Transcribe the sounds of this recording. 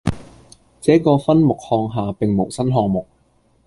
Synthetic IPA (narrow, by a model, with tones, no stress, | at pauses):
t͡sɛː˨˥kɔː˧fɐ˥nmʊ˨k̚hɔː˧ŋɦaː˨pɪ˨ŋmo˨˩wsɐ˥nɦɔː˧ŋmʊ˨k̚